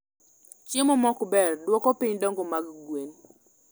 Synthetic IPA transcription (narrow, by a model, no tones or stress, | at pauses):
t͡ʃemɔmɔkbɛrdwɔkɔpiɲdɔŋɡomaɡɡwen